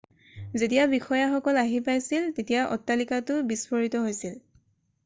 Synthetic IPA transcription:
zetijabixɔjaxɔkɔlaɦipajsiltetijaʔɔ̰tːalikatʊbispɔɹitɔɦojsil

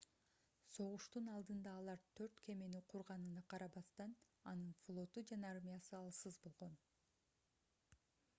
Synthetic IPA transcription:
so̞ʁuʃt̪unɑlˠd̪ɯnd̪ɑːlˠɑɾt̪ʰøɾt̪kʰe̞meniqʰuɾʁɑnɯnɑqʰɑɾɑβɑst̪ɑn | ɑnɯnflˠo̞t̪ud͡ʒɑnɑɑɾmʲijɑsɯɑlˠsɯzbo̞lˠʁo̞n

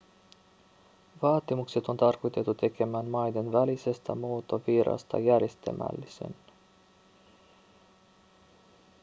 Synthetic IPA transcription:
ʋɑːt̪imukse̞t̪o̞nt̪ɑrko̞jt̪e̞t̪ːut̪e̞kʰe̞mæːnmɑjde̞nʋælise̞st̪æ̰moːt̪o̞ʋiɾɑ̰st̪ɑ̰jærjest̪æ̰mæ̰lːise̞̰n

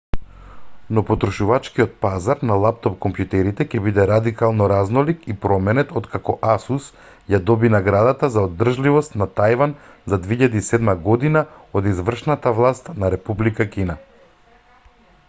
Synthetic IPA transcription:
nɔpɔt̪ɾɔʃuvat͡ʃkiɔt̪̚pazaɾnalˠap̚t̪ɔpkɔmpjut̪ɛɾit̪ɛcɛbid̪ɛɾad̪ikalˠnɔɾaznɔlikipɾɔmɛnɛt̪ɔt̪kakɔʔasus | jad̪ɔbinaɡɾad̪at̪azaod̪r̩ʒlivɔst̪nat̪ajvanzad̪veiʎad̪isɛd̪maɡɔd̪inaod̪izvr̩ʃnat̪avlˠast̪naɾɛpublikakʲina

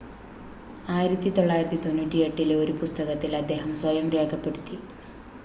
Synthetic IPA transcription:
aːjiɾɐt̪ːit̪o̞ɭːaːjiɾɐt̪ːit̪o̞nːuʈːieʈːileo̞ɾupust̪ɐɣɐt̪ːilɐd̪ːe̞ːɦɐmswɐjɐmre̞ːkʰɐpːe̞ɽut̪ːi

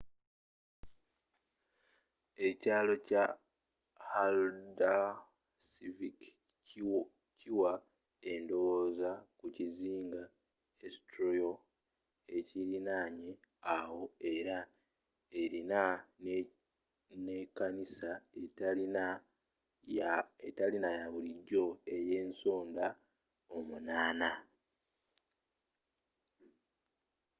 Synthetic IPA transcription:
e̞caːlo̞ca | halda | sivik | c | ciwa | e̞ndo̞wo̞ːzakuciziːŋɡa | esi̥tɾojo | e̞ciɾinaːɲe̞ | awo̞e̞ɾa | eɾina | ne̞kanisaei | etalinajaβuliɟːo̞e̞je̞ːnso̞ːnda | o̞munaːna

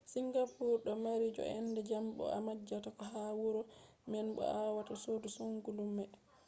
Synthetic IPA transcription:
siŋɡapuɾɗɔmaɾid͡ʒɔ̰ɛ̰ndɛd͡ʒambɔ̰a̰mad͡ʒːatakɔɦawuɾɔ | mɛnɓɔ̰awatasodusuŋɡulumɛ

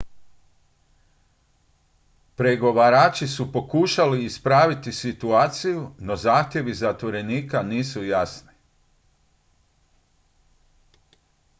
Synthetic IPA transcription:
pɾe̞ɡo̞ʋaɾaːt͡ʃisupo̞kuːʃaliːspɾaːʋit̪isit̪uaːt̪sijuno̞zaːxt̪ʲje̞ʋizat̪ʋo̞ɾe̞niːkaniːsujasni

